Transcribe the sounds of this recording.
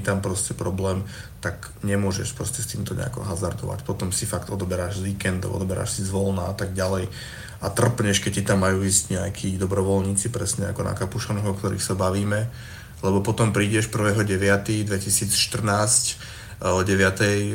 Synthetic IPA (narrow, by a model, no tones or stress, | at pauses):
it̪ampɾɔscɛpɾɔblɛːm | t̪ak | ɲɛmʊɔʒɛ̰ʃpɾɔscɛst̪iːmt̪ɔɲɛ̰a̰kɔ̰ɦazaɾd̪ɔ̰ʋa̰cpɔt̪ɔmsifakt̪ɔd̪ɔbɛɾaːʒzʋiːkɛnd̪ɔ̰ɔ̰d̪ɔbɛɾa̰ːʃsizʋɔlnaat̪aɡ̚ɟalɛj | ʔat̪r̩pɲɛʃkɛcːit̪amːajuːizɟɲɛakʰiːd̪ɔbɾɔʋɔlɲiːt͡sipɾɛsɲɛakɔna̰kapuʃanɛɦɔkt̪ɔɾḭːxsabaʋiːmɛ | lɛbɔpɔt̪ɔmpɾiːɟɛʃpr̩ʋɛːɦɔɟɛʋɪat̪iːd̪ʋɛcisiːt͡sʃt̪r̩naːsc | ɔɟɛʋɪat̪ɛj